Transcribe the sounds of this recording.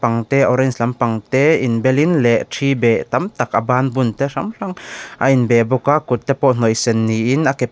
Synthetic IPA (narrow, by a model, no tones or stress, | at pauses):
paŋt̪ɛʔɔɾɛnslampaŋt̪ɛʔinbɛlinlɛʔtʰibɛt̪amt̪akʔabaːnbunt̪ɛramɬaŋʔainbɛbɔkakut̪̚t̪ːɛpɔʔn̥ɔjsɛnːiʔinʔakɛp̚